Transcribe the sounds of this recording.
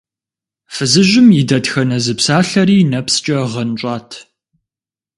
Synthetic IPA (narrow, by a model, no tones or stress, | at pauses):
fɨzɨʑʷɪmjɪdɐtxɐnɐzɨpsaːɬɐɾiːnɐpst͡ʃʼɐʁɐnt͡ʃʷʼɑːtʰ